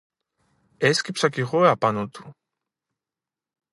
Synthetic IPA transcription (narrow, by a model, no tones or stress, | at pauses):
ɛskipsakiʁoeapanot̪u̥